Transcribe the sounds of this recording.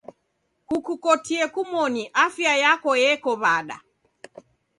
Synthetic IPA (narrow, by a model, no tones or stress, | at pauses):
kukukɔtiɛkumɔniʔafjajakɔjɛkɔβaɗa̰